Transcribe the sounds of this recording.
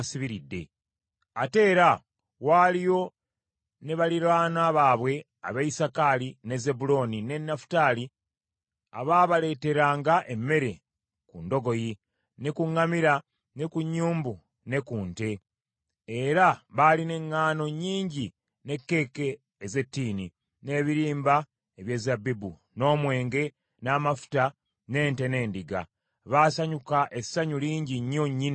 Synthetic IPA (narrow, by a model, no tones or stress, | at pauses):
siβiɾidːe̞̰ | ate̞ːɾa | waːlijo̞ | ne̞βaliɾaːnaːβaːβwe̞ | a̰βaisakaline̞ze̞bulo̞nine̞nːafu̥taːli | a̰βaβale̞te̞ɾaːŋɡaʔe̞mːe̞ɾe̞ | kundo̞ɡo̞ji | ne̞kuŋːamiɾa | ne̞kuɲːuːmbu | ne̞kuːnte̞ | eɾaβaːline̞ŋːaːno̞ɲːiːɲɟi | ne̞kːe̞ːke̞ː | ze̞tːiːni | ne̞ːβiɾiːmba | eβje̞ːzabibu | no̞ːmwe̞ːŋɡe̞ | naːmafu̥ta | ne̞ːnte̞ne̞ːndiɡa̰ | βaːsaɲukaʔe̞saɲuliːɲɟiɲːo̞ɲːin